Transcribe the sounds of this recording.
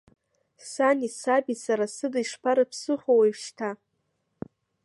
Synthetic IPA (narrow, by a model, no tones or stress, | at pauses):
sanʲisabisaɾasɨdɨjʂpʰaɾapʰsɨχowajʃtʰa